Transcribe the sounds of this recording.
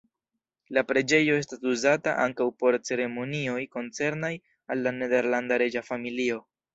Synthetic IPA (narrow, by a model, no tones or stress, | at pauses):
lapɾe̞d͡ʒe̞jo̞e̞stasuzata̰ʔa̰ŋkawpo̞ɾt͡se̞ɾe̞mo̞nio̞jko̞nt͡se̞ɾnaj | alːane̞de̞ɾlandaɾe̞d͡ʒafamilio̞